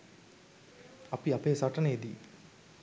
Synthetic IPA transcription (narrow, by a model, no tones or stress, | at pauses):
apiapeːsaʈəneed̪iː